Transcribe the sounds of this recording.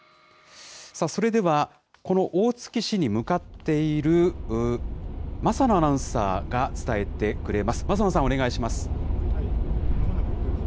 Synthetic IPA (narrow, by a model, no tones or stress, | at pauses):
saso̞ɾe̞d̪e̞βa | ko̞no̞ʔoːt͡sɨ̥kʲiɕiɲ̟imɯ̟kat̪ːe̞iɾɯ̟ | masanoanãɯ̟̃sa̰ːɡat͡sɨ̥t̪ae̞t̪e̞kɯ̟ɾe̞masɨ̥mazamas̬ão̞ne̞ɡaiɕimasɨ̥